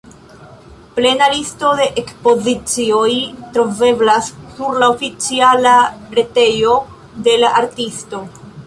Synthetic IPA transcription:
ple̞nalisto̞de̞ʔekspo̞zit͡sio̞jtɾo̞ve̞blassuɾlaofit͡sialaɾe̞te̞jo̞ | de̞laʔaɾtisto̞

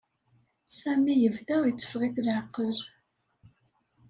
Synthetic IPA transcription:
sæmijəvðæwit͡sːə̥fʁiθlʕəqːəɾ

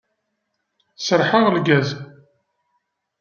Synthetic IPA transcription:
səɾħəʁlɡæz

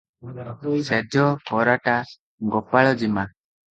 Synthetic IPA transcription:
sɛd͡ʒʱɔpɔɾaʈa | ɡɔpaɭɔd͡ʒima

